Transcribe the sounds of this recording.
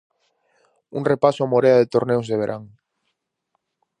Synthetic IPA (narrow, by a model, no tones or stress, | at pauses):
uŋrepasʊamoɾeaðet̪oɾnewzðeβ̞eɾʔaŋ